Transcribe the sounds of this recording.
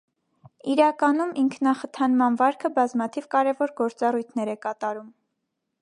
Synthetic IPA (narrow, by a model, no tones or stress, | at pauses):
iɾɑkɑnumiŋkʰnɑχət̪ʰɑnmɑnvɑɾkʰəbɑzmɑt̪ʰivkɑɾɛvɔɾɡɔɾt͡sɑrujt̪ʰnɛɾɛkɑt̪ɑɾum